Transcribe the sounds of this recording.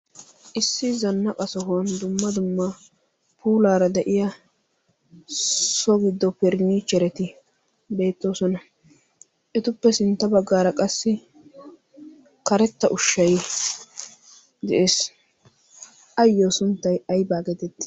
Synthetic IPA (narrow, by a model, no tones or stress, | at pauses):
ʔɪsːɪzɐnːɐkʼɐsɔɦɐnd̪ʊmːɐd̪ʊmːɐ | pʰuːlaːɾɐd̪ɛʔɪjɐ | sɔɡɪd̪ːɔpɛɾniːt͡ʃːɛɾɛt̪ɪ | be̞ːt̪ːo̞ːsɔnɐ | ʔɛt̪ʊpːɛsɪnt̪ːɐbɐɡːaːɾɐkʼɐsːɪ | kɐɾɛt̪ːɐʔʊʃːɐj | d̪ɛʔeːs | ʔɐjːosʊnt̪ːɐjɐjbaːɡɛt̪ɛt̪ːɪ̥